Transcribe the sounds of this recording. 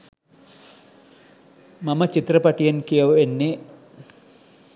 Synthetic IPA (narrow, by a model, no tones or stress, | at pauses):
mɐmət͡ʃit̪rəpaʈijɐnkijɐʋenːe